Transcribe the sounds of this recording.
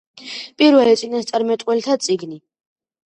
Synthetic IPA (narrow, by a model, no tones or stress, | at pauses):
pʼiɾvɛlɛt̪sʼinast̪sʼaɾmɛt̪ʼwɛlt̪ʰat̪sʼiɡni